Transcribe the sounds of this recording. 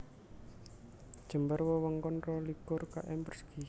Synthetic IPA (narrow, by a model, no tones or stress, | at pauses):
d̥ʒ̥ə̤mbərwɔwɔŋkɔnrɔlikʊrka̰ʔɛmpərski